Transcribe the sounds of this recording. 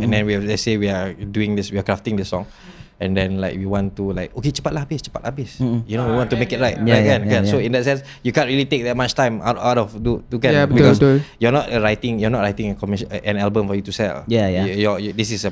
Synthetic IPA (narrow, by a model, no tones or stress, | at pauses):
ɛ̃ndɛ̃nwilasewiaduɪ̃ŋdiswiakɹaftɪ̃ŋdisɔ̃ŋ | ɛ̃ndɛ̃nlaɪk̚wiwɔ̃ntulaɪk̚oket͡ʃḁpat̚labist͡ʃḁpatlʔa̰bisjunowiwɔ̃ntumekit̚ɹaɪt̚akɛ̃nkɛ̃nsoĩndɛt̚sɛ̃ns | jukãntɹilitek̚dɛt̚mat͡ʃtãɪ̃ma̰a̰wtɔfdutukɛ̃jbikɔsjɔnɔtɹaɪtɪ̃ŋjɔnɔt̚ɹaɪtɪ̃ŋɛ̃kɔmiʃʔɛ̃nɛlbə̃mfɔjutusɛ̰ljajjɔjdisisə